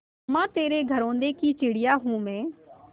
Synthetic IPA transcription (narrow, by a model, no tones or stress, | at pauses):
mãːt̪eːɾeɡʱəɾõːnd̪ekit͡ʃɪɽɪjaːɦũːmẽː